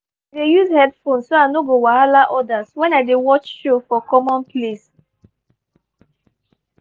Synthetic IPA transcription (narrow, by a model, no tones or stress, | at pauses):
adejuzhɛdfõnsːoanoɡowaalaʔɔdaswɛ̃naɪdewɔt͡ʃʃofɔkɔmɔ̃npʰles